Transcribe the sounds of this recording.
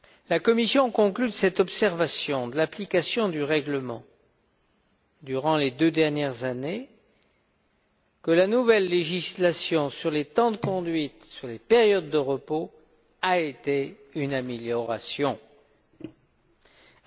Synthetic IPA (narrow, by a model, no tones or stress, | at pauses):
lakɔmisjɔ̃kɔ̃klydəsɛt̪ɔpsɛʁvasjɔ̃d̪əlaplikasjɔ̃d̪yʁɛɡləmɑ̰̃ | d̪yʁɑ̃led̪ød̪ɛʁnjɛʁzane | kəlanuvɛlːeʒislasjɔ̃syʁlet̪ɑ̃d̪əkɔ̃d̪ɥit̪syʁlepɛʁjɔd̪ːəʁəpo | aet̪e | ynameljɔʁasjɔ̃